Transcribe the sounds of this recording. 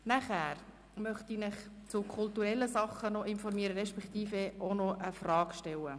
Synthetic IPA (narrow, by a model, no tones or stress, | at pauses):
næχæːɾ | mœχtinɪχt͡sʊkʰʊlt̪uɾɛlːəsɑχːənɔʔɪnfɔɾmiəɾəɾɛʃpɛkt̪iːfeʔonɔʔəfrɑːkʃtɛlə